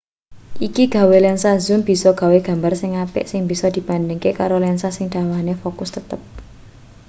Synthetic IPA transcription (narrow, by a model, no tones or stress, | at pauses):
ʔikiɡ̥ä̤welɛnsazʊmb̥i̤sɔɡ̥a̤weɡ̥a̤mbarsɪŋapɪ̰ʔsɪŋb̥i̤sɔd̪̥i̤b̥a̤nd̪ɪŋkekaɾolɛnsasɪŋd̪̥a̤wahnefokʊst̪ət̪əp̚